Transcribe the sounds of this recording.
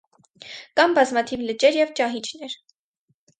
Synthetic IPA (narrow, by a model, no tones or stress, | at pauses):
kɑmbɑzmɑt̪ʰivlət͡ʃɛɾjɛvt͡ʃɑɦit͡ʃʰnɛɾ